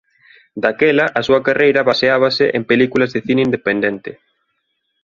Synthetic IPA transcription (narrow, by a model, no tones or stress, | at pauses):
d̪akɛlɐʔasuɐkarʔejɾɐβaseaβ̞ɐsɪʔempelikulɐzðeθineind̪epend̪ent̪ɪ